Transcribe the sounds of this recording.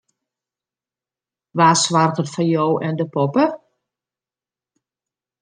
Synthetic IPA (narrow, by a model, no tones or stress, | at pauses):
ʋaːsʋartətfanjoːwʔɛndəpɔpə